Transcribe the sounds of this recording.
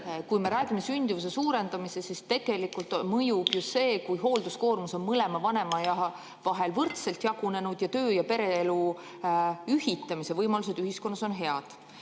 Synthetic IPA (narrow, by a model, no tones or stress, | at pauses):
kujme̞ɾæːɡimesynʲd̪̥ivus̬e̞suːɾe̞nd̪̥ɑmise̞sist̪e̞ɡ̥e̞likˑult̪mɤjub̥just̪se̞ːkujɦo̞ːld̪̥usko̞ːrmuso̞nmɤle̞mɑvɑne̞mɑjɑ | vɑɦe̞lvɤrt̪se̞lt̪jɑɡ̥une̞nud̪̥jɑt̪øːjɑpe̞ɾe̞elu | yhit̪ːˑɑmise̞vɤjmɑlus̬e̞d̪yhisko̞nːɑso̞nɦe̞ɑd̪̥